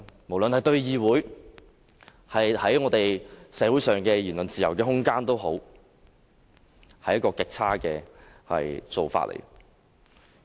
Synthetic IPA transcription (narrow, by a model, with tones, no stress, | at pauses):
mo˨˩wlɵ˨nhɐ˨jt̪ɵ˧ɥjiː˨wuː˨˥j | hɐ˨jhɐ˨˥jŋɔː˨˧t̪e˨jsɛː˨˥wuː˨˥jsœː˨˩ŋkɛː˧jiː˨˩nlɵ˨nt͡siː˨jɐ˨˩wkɛː˧ɦʊ˥ŋkaː˥nt̪o˥wɦo˨˥w | hɐ˧jːɐ˥tkːɔː˧kɪ˨k̚t͡sʰaː˥kɛː˧ | hɐ̰˨jt͡so˨˧wfa̰ː˧t̚ʔḛ˨˩j